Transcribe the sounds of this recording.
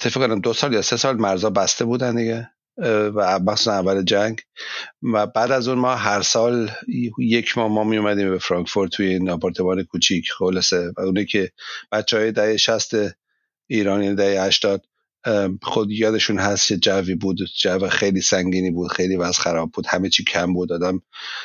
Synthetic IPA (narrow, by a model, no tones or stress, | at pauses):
t̪ʰːefikonæmd̪osɒːljɒːse̞sɒːlmæɾzɒːbæst̪ʰe̞buːd̪ænd̪iɡe | væmæxχsu̥sænævːæled͡ʒæŋɡ | væbæːd̪æzuːnmɒːɦæɾsɒːlje̞cʰmɒːhmɒːmijomæd̪iːmbefɾɒŋkfoɾt̪t̪ʰujeinɒpʰɒɾt̪ʰemɒːnekʰuːt͡ʃʰicʰχolɑse̞væuːniːcʰe̞b̥ætt͡ʃːɛhɒːjed̪æhejeʃæst̪e | iːɾɒːnjind̪æhejhæʃt̪ɒːd̪̚ | xod̪jɒːd̪e̞ʃuːnɦæst̪kʰed͡ʒæviːbuːd̪d͡ʒævexejliːsæŋɡiːniːbuːd̪̥xejliːvæzxæɾɒːb̚buːd̪̥hæmet͡ʃʰiːcʰæmbuːd̪ɒːd̪æm